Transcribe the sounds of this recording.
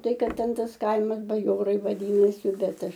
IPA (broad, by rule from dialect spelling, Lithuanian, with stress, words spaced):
ˈtɐɪ ˈkɐt ˈtʲɛn ˈtɐs ˈkɐɪmɐs bɐˈjoːrɐɪ ʋɐˈdʲiːnɐsʲɪ ˈbʲɛt ˈɐʃ